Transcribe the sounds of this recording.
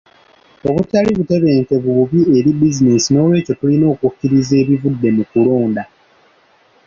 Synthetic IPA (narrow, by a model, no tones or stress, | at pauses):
o̞βutːaliβute̞βeːŋke̞βuβuβie̞ɾibizinesino̞ːlwe̞ːco̞tulino̞ːkukːiɾize̞ːβivudːe̞mukuloːnda